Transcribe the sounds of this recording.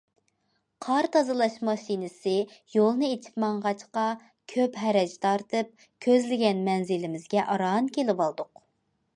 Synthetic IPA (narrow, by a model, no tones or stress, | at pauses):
qʰɑɾt̪ʰɑzɨlˠɑʃmɑʃinɪsɪjolˠnɨet͡ʃʰi̥pmɑɴʁɑt͡ʃqɑ | kʲʰøpɦɛɾɛd͡ʒt̪ʰɑɾt̪ʰɨp̚ | kʲʰøzlɪɡʲɛnmɛnzɪlɪmɪzɡʲɛʔɑɾɑnkʲelɪbɑlˠd̪ʊq